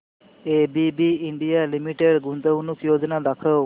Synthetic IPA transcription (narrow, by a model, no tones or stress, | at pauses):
ebibiiɳɖijalimiʈeɖɡunt̪əwnukjoːd͡ʒnad̪akʰəw